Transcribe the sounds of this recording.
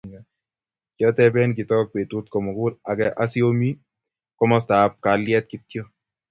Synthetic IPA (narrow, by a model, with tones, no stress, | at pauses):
kjɔ˦tɛ˦bɛ˦nk̬ɪ˨tɔ˦k̚pe˨tu˦t̚kɔ˨mɔ˨kʊ˦la˨kɛʔa˦si˦o˦mi˦ | kɔ˦mɔ˦sta˨p̚ka˨ljɛ˦t̚kɪ˦t̚kjɔ˦